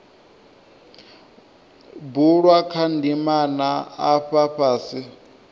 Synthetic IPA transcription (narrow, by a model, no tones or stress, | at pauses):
buɺwakʰandimanaaɸaɸaːsi